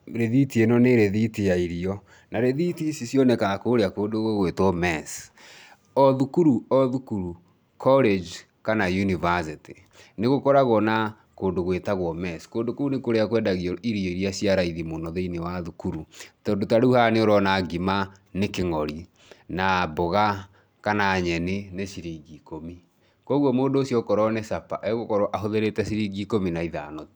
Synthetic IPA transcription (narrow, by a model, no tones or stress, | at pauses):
ɾeðitienɔneɾeðitejaiɾiɔ | naɾeðitisisjɔnɛkakoɾeakoːndoɣoɣwetɔmɛs | ɔðukuɾuɔðukuɾu | kʰɔled͡ʒ | kanajunivas̬ite | neɣokɔɾaɣɔna | koːndoɣwetaɣwɔmɛskoːndokounekoɾeakwɛːndaɣiɔiɾjoiɾiasiaɾaiðimonɔðeinewaðukuɾutɔːndotaɾuhaneoɾɔnaɡima | nekeŋɔɾi | naboɣa | kanaɲɛneneʃiɾiɡikomi | kɔɣwɔmoːndoːsjɔkɔɾɔnesapaʔɛɣokɔɾɔʔaɦoðeɾetɛʃiɾiɡikominaiða̰nɔt